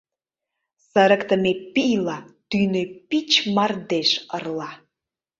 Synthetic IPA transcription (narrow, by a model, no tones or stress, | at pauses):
səɾə̆kt̪əmepijlɑt̪ynøpit͡ɕmɑrd̪eʃərlɑ